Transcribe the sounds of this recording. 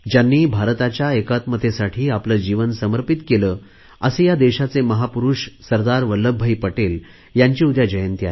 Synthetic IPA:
d͡ʑjanːiːbʱaɾt̪at͡ɕjaekat̪məd̪ʱesaʈʰiːapləd͡ʑiʋənsəməɾpit̪keləː | əsejad̪eɕat͡seməɦapuɾuɕsəɾd̪aɾʋələbʱːəjipəʈel | jaɲt͡ɕiud̪ʱjad͡ʑəjənt̪ia̰e

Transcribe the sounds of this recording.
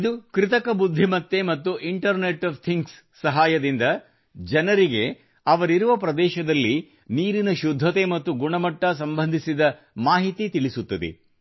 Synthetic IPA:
id̪ukɾit̪ɐkɐbud̪ʱːimɐt̪ːe̞mɐt̪ːuʔiɳʈɐɾneʈɐːʋt̪ʰiŋɡsːɐɦaːjɐd̪ind̪ɐ | d͡ʒɛnɐɾiɡe̞ | ɐʋɐɾiɾuʋɐpɾɐd̪ɛːʃɐd̪ɐlːi | niːɾinɐʃud̪ʱːɐt̪e̞mɐt̪ːuɡuɳɐmɐʈːɐs̬ɐmbɐnd̪ʱisid̪ɐ | maːɦit̪it̪iɭisut̪ːɐd̪ḛ

